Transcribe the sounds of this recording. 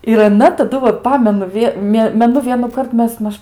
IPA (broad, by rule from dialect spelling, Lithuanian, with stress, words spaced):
ɪr ɐˈnɐ tɐˈdʊ ʋɐt ˈpɑːmʲɛnʊ ˈʋʲiɛ ˈmʲeː mʲɛˈnʊ ʋʲiɛnuːˈkɐrt ˈmʲɛs ˈmɐʃ